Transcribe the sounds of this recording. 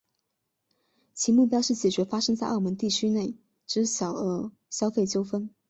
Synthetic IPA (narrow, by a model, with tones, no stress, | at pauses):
t͡ɕʰi˧˥mu˥˩pjɑ˥ʊʂɻ̩˥˩t͡ɕjɛ˨˩t͡ɕɥɛ˧˥fa˥ʂɤ˥ŋt͡sa˥˧ɪʔɑ˥˩mwə˧˥nt̪i˥˩t͡ɕʰy˥ne˥˩ɪ | ʈ͡ʂɻ̩˥ɕjɑ˨˩ʊə˧˥ | ɕjɑ˥ʊfe˥˩ɪt͡ɕjo˥ʊfə˥n